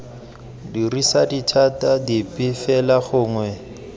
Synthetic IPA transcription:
dirisaditʰatʼadipʼɪfɛlaχʊːŋwɛ

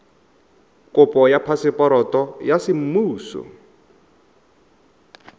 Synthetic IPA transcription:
kʼʊpʼɔjapʰasɪpʼɔɾɔtʼɔjasɪm̩muːsɔ̰

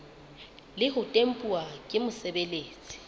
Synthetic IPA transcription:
lɪhʊtʼem̩pʼuakʼɪmʊsebeleːt͡sʼi̥

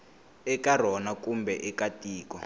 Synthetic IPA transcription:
ɛkar̤ɔnakumbɛʔɛkatʼiːkɔ

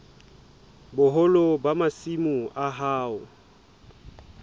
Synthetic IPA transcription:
bʊɦɔlɔbamasimʊaɦaːʊ

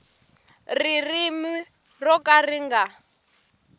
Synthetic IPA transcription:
ririmi | rɔkariŋɡa

